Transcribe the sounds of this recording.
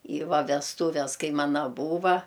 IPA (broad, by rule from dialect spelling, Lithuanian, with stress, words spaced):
iː ˈʋɐ ʋʲɛsˈtuːʋʲɛs ˈkɐɪ ˈmɑːnɐ ˈbuːʋɐ